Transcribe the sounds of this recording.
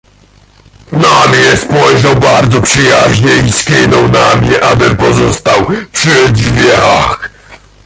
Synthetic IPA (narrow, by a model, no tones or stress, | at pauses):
namɲɛspɔjʐawbaɾd̪zɔpʂɨjaʑɲɛiskʲinɔ̃wnamɲɛʔabɘmpɔzɔst̪awpʂɘd̪d͡ʒvʲjɛax